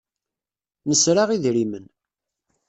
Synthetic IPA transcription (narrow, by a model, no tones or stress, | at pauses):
nəsɾaʁiðɾimən